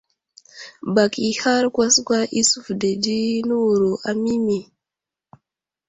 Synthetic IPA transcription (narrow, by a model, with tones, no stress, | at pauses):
ba˨kʰi˨ha˦ɾkwa˦skʷa˦ʔi˦su˦fde˨d͡ʒi˦nu˦wu˨ɾu˨ʔa˨mi˦mi˨